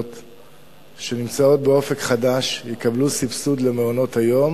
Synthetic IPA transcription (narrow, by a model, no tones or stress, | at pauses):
t̪ | ʃe̞nimt͡sao̞t̪̚be̞o̞fe̞kχadaʃjekablusifsud̪le̞meono̞thajo̞m